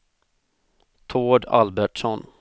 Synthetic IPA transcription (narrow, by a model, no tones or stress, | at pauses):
t̪ʰoːɖa̰lbæʈʂɔn